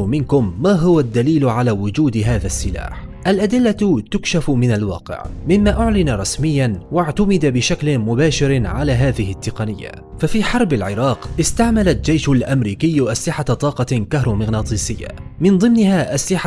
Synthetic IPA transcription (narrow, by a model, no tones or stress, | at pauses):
mɪnkʊmːaːɦʊwad̪ːaliːlʕalaːwʊd͡ʒuːd̪ɦaːðasːɪla̰ːħʔalʔad̪ɪlːat̪ʊkʃafmɪnalwɑ̰ːqɪ̰ʕmɪmːaːʔʊʕlɪnɾˤɑsmɪjːanwaʕt̪amɪd̪abɪʃaklɪmʊbaːʃɪɾʕalaːɦaːðɪhɪt̪ːɪqɑnɪjːa̰ | fafiːħɑɾˤbalʕɪɾˤɑːqʔɪst̪aʕmalat̪d͡ʒajʃʊlʔamɾiːkɪjːʔaslɪħat̪ˤɑːqɑkaɦɾˤʊmɪɣnaːt̪ˤiːsɪjːa̰mɪnðˤɨmnɪɦaːʔaslɪħa